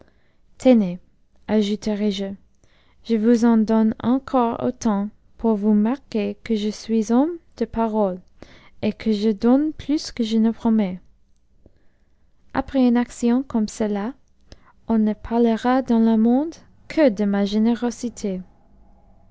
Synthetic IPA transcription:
t̪ʰene | aʒut̪əʁɛʒə | ʒ̥əvuzɑ̃d̪ɔnɑ̰̃kʰɔʁo̰t̪ɑ̃ | pʰuʁvumaʁkekəʒəsɥizɔmd̪̥əpaʁɔl | ekʰəʒəd̪ɔnpʰlyskəʒənəpχɔmɛ | ʔa̰pχɛỹnaksjɔ̃kɔmsəla | ɔ̃nəpʰaʁləʁad̪ɑ̃ləmɔ̃d̪ | kʰəd̪əmaʒeneʁɔsit̪ʰe

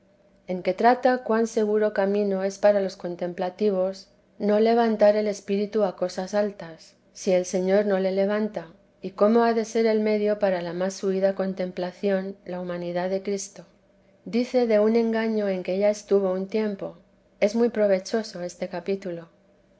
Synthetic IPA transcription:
e̞ŋke̞t̪ɾat̪akwanse̞ɣuɾo̞kamĩno̞e̞spaɾalo̞sko̞nt̪e̞mplat̪iβ̞o̞s | no̞le̞β̞ant̪aɾe̞le̞spiɾit̪uako̞sasalt̪asː | ie̞lse̞ɲo̞ɾno̞le̞le̞β̞ant̪a | iko̞mo̞aðe̞se̞ɾe̞lme̞ðjo̞paɾalamasuiðako̞nt̪ẽ̞mplaθjo̞nlaumãniðaðe̞kɾist̪o̞ | d̪iθe̞ðe̞unẽ̞ŋɡaɲo̞e̞ŋkeeʝaest̪uβ̞o̞unt̪je̞mpo̞ | e̞zmujpɾo̞β̞e̞t͡ʃo̞so̞e̞st̪e̞kapit̪ulo

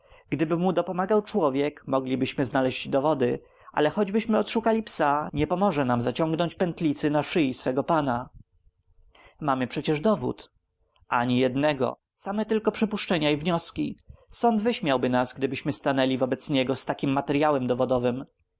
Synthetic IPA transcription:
ɡ̥d̪ɘbɘmud̪ɔpɔmaɡawt͡ʂwɔvʲjɛkmɔɡlʲibɘɕmɘznalɛʑd͡ʑd̪ɔvɔd̪ɘ | ʔa̰lɛxɔd͡ʑbɘɕmɘɔt̪ʂukalʲipsaɲɛpɔmɔʐɛnamzat͡ɕɔŋɡnɔɲt͡ɕpɛnt̪lʲit̪sɘnaʂɘjisfɛɡɔpana | mamɘpʂɛt͡ɕɛʐd̪ɔvṵt̪ | ʔaɲijɛd̪nɛɡɔ̰ | samɛt̪ɘlkɔpʂɘpuʂt͡ʂɛɲaivɲɔskʲisɔnd̪vɘɕmʲjawbɘnasɡd̪ɘbɘɕmɘst̪anɛlʲivɔbɛt̪sɲɛɡɔst̪akʲimːat̪ɛɾjawɛmd̪ɔvɔd̪ɔvɘm

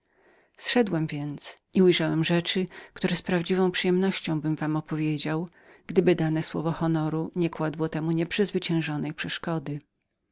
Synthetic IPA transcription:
sʂɛd̪wɛmvʲjɛnt̪sʔiujʐawɛmʐɛt͡ʂɘkt̪uɾɛspɾavd͡ʑivɔ̃w̃pʂɨjɛmnɔɕt͡ɕɔ̃w̃bɘmvamɔpɔvʲjed͡ʑaw | ɡ̥d̪ɘbɘd̪anɛswɔvɔxɔnɔɾuɲɛkwad̪wɔt̪ɛmuɲɛpʂɘzvɘt͡ɕɛ̃w̃ʐɔnɛjpʂɛʂkɔd̪ɘ

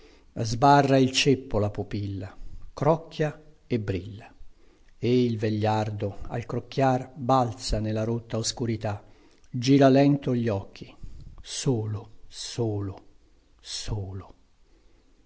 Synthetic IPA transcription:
zbarːailt͡ʃepːolapupilːakɾɔkʰːja | ebɾilːa | eilveʎːard̪oa̰lkɾokːjarbalt̪sanelːaɾot̪ːaoskuɾit̪a | d͡ʒiːɾalɛnt̪oʎːɔkʰːisoːlosoːlo | soːlo

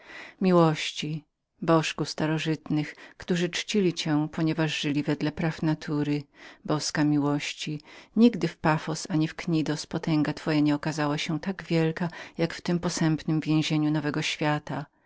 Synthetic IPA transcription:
mʲiwɔɕt͡ɕi | bɔʂkust̪aɾɔʐɘt̪nɘxkt̪uʐɨt͡ʂt͡ɕilʲit͡ɕɛ̃pʰɔɲɛvaʐʐɘlʲivɛd̪lɛpɾafnat̪ʰuɾɘbɔskamʲiwɔɕt͡ɕiɲiɡd̪ɘfpafɔsaɲifkɲid̪ɔspɔt̪ɛ̃ŋɡat̪fɔjaɲɛɔkazawaɕɛt̪aɡvʲjɛlkajakft̪ɪmpɔsɛmpnɘmvʲjɛ̃w̃ʑeɲunɔvɛɡɔɕfʲjat̪a

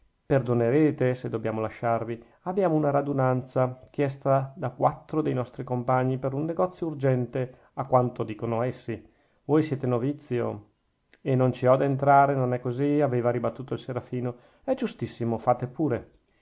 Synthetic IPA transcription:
perd̪oneɾeːt̪esed̪ːobjaːmolaʃːarvi | abːjaːmounaɾad̪unant̪sakjɛst̪ad̪akwat̪ːɾod̪ejnɔst̪ɾikompaɲːipeɾunːeɡɔt̪sːjourd͡ʒɛnt̪e | akːwant̪od̪iːkonoɛsːi | vojsjɛːt̪enovit̪sːjo̰ | enːont͡ʃiɔd̪ent̪ɾaːɾenonɛkːoziaveːvaɾibat̪ːuːt̪oilseɾafiːno | ɛd͡ʒust̪isːimofaːt̪epuːɾe

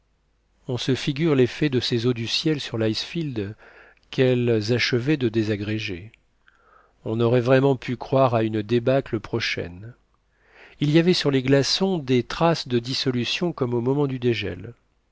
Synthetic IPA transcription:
ɔ̃səfiɡʲyʁlefɛd̪əsezod̪ysjɛlsyʁlajsfild̪ | kɛlzaʃəvɛd̪əd̪ezaɡʁeʒe | ɔ̃nɔʁɛvʁɛmɑ̃pʰykχwaʁaynd̪ebakləpχɔʃɛ̰n | ilijavɛsyʁleɡlasɔ̃d̪et̪χasd̪əd̪isɔlysjɔ̃kɔmomɔmɑ̃d̪yd̪eʒɛ̰l

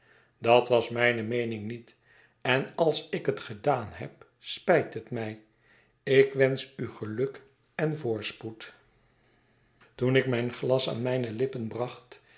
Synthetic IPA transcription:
dɑtʋɑsmɛjnəmejnɪŋnit | ɛnɑlˠsɪkɦətχədaːnɦɛ̰p | spɛjtətmɛj | ɪkʋɛnsyχəlɵk | ɛnvʊːɹsput | tunɪkmɛjnχlɑsa̰ːnmɛjnəlɪpənbrɑχt

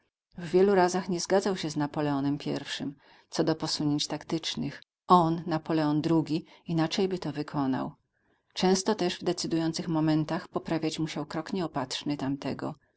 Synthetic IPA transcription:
vːʲjɛluɾazaxɲɛzɡad̪zawɕɛznapɔlɛɔnɛmpʲjɛ̰ɾfʂɘ̰m | t̪sɔd̪ɔpɔsuɲeɲt͡ɕt̪akt̪ɘt͡ʂnɘx | ɔnːapɔlɛɔnd̪ɾuɡʲiinat͡ʂɛjbɘt̪ɔvɘkʰɔna̰w | t͡ʂɛ̃w̃st̪ɔt̪ɛʐvd̪ɛt̪sɘd̪ujɔnt̪sɘxmɔmɛnt̪axpɔpɾavʲjat͡ɕmuɕawkɾɔkɲɛɔpat̪ʂnɘt̪amt̪ɛɡɔ̰

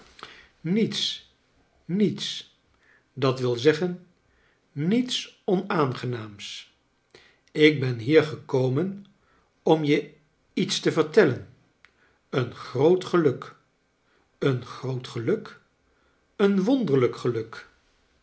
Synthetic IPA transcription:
nits | nits | dɑtʋɪlˠzɛχənː | itsɔnaːnχənaːms | ɪɡ̚bɛnɦiːɹχəkowmən | ɔmjə | itstəvəɹtɛlən | ənχrowtχəlɵk | ənχrowtχəlɵk | ənʋɔndəɹləkχəlɵk

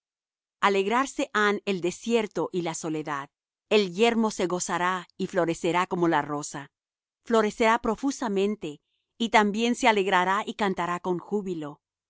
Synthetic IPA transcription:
ale̞ɣɾaɾse̞ʔane̞ld̪e̞sje̞ɾt̪o̞ʔilaso̞le̞ðað | e̞lʝe̞ɾmo̞se̞ɣo̞saɾaiflo̞ɾe̞se̞ɾako̞mo̞laro̞sa | flo̞ɾe̞se̞ɾapɾo̞fusamẽ̞nt̪e̞ | it̪ambje̞nseale̞ɣɾaɾaʔikant̪aɾako̞ŋxuβilo̞

